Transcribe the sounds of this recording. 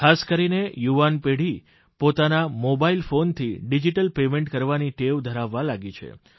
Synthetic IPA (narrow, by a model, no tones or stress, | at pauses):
kʰaskəɾinejuʋanpeɽ̤i | pot̪anamobailfont̪ʰiɖid͡ʒiʈəlpemẽɳʈkəɾʋaniʈeʋd̪ʱəɾaʋːalaɡit͡ʃʰḛ